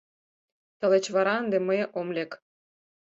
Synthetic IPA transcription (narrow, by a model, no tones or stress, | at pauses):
t̪ə̆let͡ɕβɑɾɑənd̪ĕməjʔomlʲek